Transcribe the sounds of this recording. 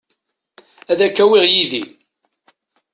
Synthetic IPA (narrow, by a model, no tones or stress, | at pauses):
æðækːæwiʁjiði